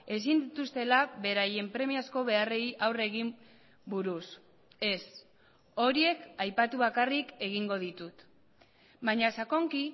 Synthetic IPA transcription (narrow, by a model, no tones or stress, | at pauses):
e̞s̬ind̪it̪ust̪e̞laβe̞ɾaje̞mpɾe̞miasko̞βe̞are̞jʔawre̞ɣim | buɾus | e̞s | o̞ɾie̞kajpat̪uβ̞akarike̞ɣ̞iŋɡo̞ðit̪ut̪ | baɲasako̞ŋki